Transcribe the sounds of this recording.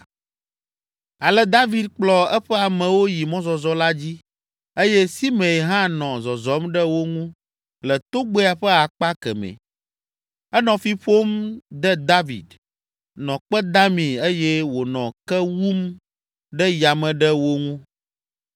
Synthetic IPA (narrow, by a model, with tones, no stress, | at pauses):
a˨lɛ˦d̪a˦vi˨d̪k͡plɔ˦ɛ˦ɸɛ˦a˨mɛ̃˨wo˦ji˨mɔ̃˦zɔ˨zɔ˦la˦d͡ʑi˦ | e˦jɛ˦si˦mɛ̃˨ɦã˦nɔ̃˨zɔ˨zɔ˨˦mɖɛ˦wo˦ŋũ˦ | lɛ˨t̪o˦ɡ͡be˦a˨ɸɛ˦a˨k͡pa˦kɛ̰˨mɛ̰̃˨ | ɛ˦nɔ̃˨fi˦ɸo˦md̪ɛ˦d̪a˦vḭ˨d̪ | nɔ̃˨k͡pɛ˦d̪a˦mĩ˨e˦jɛ˦wo˨nɔ̃˨kɛ˦wu˦m | ɖɛ˦ja˨mɛ̃˨ɖɛ˦wo˦ŋũ˦